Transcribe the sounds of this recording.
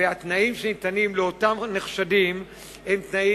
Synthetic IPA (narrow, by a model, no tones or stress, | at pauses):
eat̪naimʃenitanimleo̞tamneχʃadim | emt̪nai